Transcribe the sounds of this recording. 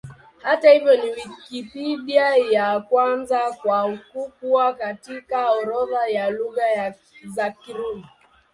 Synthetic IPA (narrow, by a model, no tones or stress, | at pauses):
hatahivjɔniwikipiɗiajakwanzakwakukuakatikaɔɾɔðajaluɣaja | zakiɾumi